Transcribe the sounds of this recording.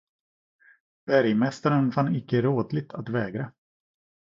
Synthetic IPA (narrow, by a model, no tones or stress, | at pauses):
b̥æɾjmɛst̪aɾənfanːɪkːəɾoːd̪lɪɡ̚t̪ʰat̪vɛːɡɾa